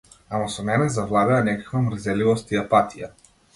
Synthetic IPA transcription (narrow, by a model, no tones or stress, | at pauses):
amasɔmɛnɛzavlˠad̪ɛanɛkḁkvamrzɛlivɔst̪iapat̪ʰija